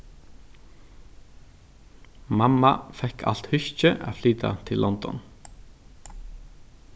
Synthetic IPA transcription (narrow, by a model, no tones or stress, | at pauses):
mɑmɑfɛkʰɑ̰lt̪hʏçc͡çəʔaːflyːd̪ɑ̰t̪ʰɪlʔɔnd̪ɔ̰n